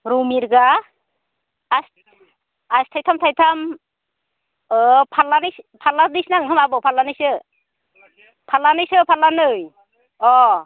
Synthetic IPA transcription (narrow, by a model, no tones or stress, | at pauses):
ɾumiɾɡa | s | astʰajt̪ʰamt̪ʰajtʰam | ɯpʰalanɯjspʰalanɯjsnaŋɡɯmabɔpʰalanɯjsɯ | pʰalanɯjsɯpʰalanɯj | ɔ